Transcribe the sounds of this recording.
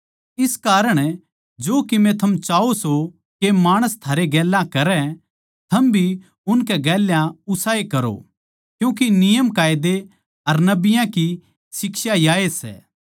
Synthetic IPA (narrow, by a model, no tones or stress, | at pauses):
ɪskaːɾəɽ̃ | d͡ʒoːkimɛ̃t̪ʰɐmt͡ʃaːoso | kemaːɽ̃əst̪ʰaːɾeɡɛːlːãkɐɾɛ̃ | t̪ʰɐmbʱi | ʊnkɛɡɛːljãʊsaːekɐɾo̰ | kjũːkinɪjəmkaːjɪd̪e | ɐɾnɐbɪjãki | sɪkʃajaːesɛ̰ː